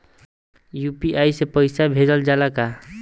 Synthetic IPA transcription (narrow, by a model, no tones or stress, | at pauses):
jupiʔajsepəjsabʱeɾəld͡ʒalaka